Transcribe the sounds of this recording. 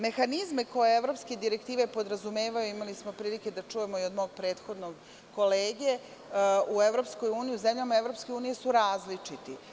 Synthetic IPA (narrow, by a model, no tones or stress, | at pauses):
me̞xanizmeko̞jeevɾo̞pske̞d̪iɾe̞kt̪iːʋe̞po̞d̪ɾazume̞ːʋajuimalismo̞pɾiːlike̞d̪at͡ʃuːje̞mo̞iod̪mo̞ːɡ̚pɾe̞ːt̪xo̞d̪noɡ | ko̞leːɡe̞ | ueʋɾopsko̞juːnijiuze̞mʎamae̞ʋɾo̞pske̞uːnije̞suɾaːzlit͡ʂit̪i